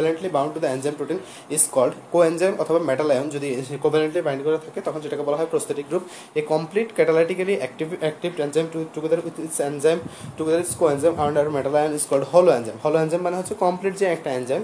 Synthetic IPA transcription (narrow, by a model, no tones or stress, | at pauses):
leɳʈlibãw̃ɳɖʈud̪ɐend͡ʒajmʈuʈin | iskɔlɖkoenzajmɔt̪ʰɔbamɛʈalajɔnd͡ʒɔd̪ikobaleɳʈlibaj̃ɳɖkɔɾat̪ʰaket̪ɔkʰɔnzeʈakebɔlaɦɔjpɾost̪ʰeʈik̚ɡɾup | ekɔmpliʈkɛʈalaʈikaliʔɛk̚ʈibɛk̚ʈibʈenzajmʈuʈukud̪aɾisenzajmʈukd̪aɾiskoenzamʔaɳɖaɾumeʈalajɔniskɔlɖhɔloenzajmhɔloend͡ʒajmːaneɦot͡ʃʰikɔmpliʈziɛk̚ʈaenzajm